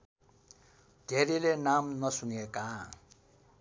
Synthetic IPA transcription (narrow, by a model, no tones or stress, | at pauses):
d̪ʱeɾilenamnʌsunijeka